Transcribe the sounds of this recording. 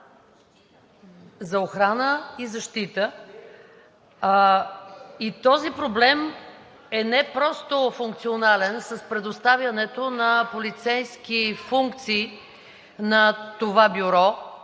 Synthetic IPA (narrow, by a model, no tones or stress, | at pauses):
zɐoxɾanəizɐʃt̪it̪ə | it̪ɔzipɾoblɛm | ɛnɛpɾɔst̪ofuŋk̚t̪sionalɛnsɐspɾɛd̪ost̪avjɐnɛt̪onɐpolit̪sɛjsk̟ifuŋk̚t̪siː | nɐt̪ovabiɾɔ